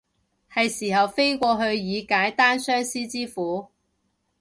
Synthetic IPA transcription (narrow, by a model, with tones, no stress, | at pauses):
hɐ˨jsiː˨˩hɐ˨wfe˥jkʷɔː˧ɦɵ˧ɥjiː˨˧kaː˨˥jt̪aː˥nsœː˥ŋsiː˥t͡siː˥fuː˨˥